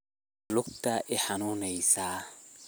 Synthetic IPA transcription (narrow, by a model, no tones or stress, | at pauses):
lʊkt̪aʔɪħanuːnɛjsaː